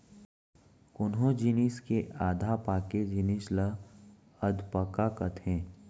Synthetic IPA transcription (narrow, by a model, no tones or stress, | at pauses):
kʊnɦõd͡ʒiniskeʔaːd̪ʱapaːked͡ʒɪnɪslə | əd̪pəkakət̪ɦɛ̃ː